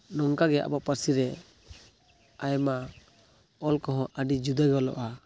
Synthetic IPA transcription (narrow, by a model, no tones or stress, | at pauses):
nɔŋkaɡɛʔa̰baʔpaɾsiɾɛ | ajma | ɔlkɔɦɔ̃ʔəɖid͡ʒud̪aɡɔlɔ̰ʔa